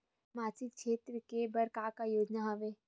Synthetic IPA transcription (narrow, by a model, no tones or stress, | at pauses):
maːt͡ʃɪk̚kʃeːt̪ɾəkebɐɾkaːkajoːd͡ʒnaɦɐʋeː